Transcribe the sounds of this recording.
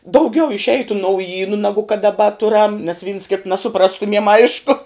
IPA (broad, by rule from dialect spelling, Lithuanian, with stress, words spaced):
dɐʊˈɡʲɛʊ ɪʃʲˈɛɪtʊ nɐʊˈjiːnʊ ˈnɑːɡʊ kɐt dɐˈbɐ ˈtʊrɐm nʲɛs ʋʲiːns ˈkʲɪtɐ nɐsʊˈprɑːstʊmʲiɛm ˈɐɪʃkʊ